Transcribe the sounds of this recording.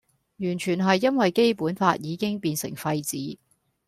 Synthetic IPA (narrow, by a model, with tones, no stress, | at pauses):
jyː˨˩nt͡ʃʰyː˨˩nɦɐ˨jːɐ˥nwɐ˨jke˥jpuː˨˥nfaː˧t̚jiː˨˧kɪ˥ŋpiː˧nsɪ̰˨˩ŋfɐ˧jt͡siː˨˥